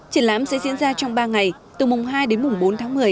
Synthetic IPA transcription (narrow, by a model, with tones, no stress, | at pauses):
t͡ɕə˧˩nla̰ː˧˥msɛ̰˧˥zḭ˧˥ənzaː˧t͡ɕɔ˧wŋ͡mɓaː˧ŋa˨˩j | t̪ɨ˨˩mʊ˨˩ŋ͡mɦaː˧jɗe˨˦nmʊ˨˩ŋ͡mɓo˨˦nt̪ʰaː˨˦ŋmɨ˨˩əj